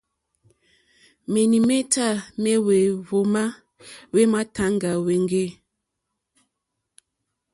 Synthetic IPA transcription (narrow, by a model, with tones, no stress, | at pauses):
me˨ni˨me˦tʰa˦˨me˦we˨βo˨ma˦ | we˦ma˦tʰa˦ŋɡa˨we˨ŋɡe˦˨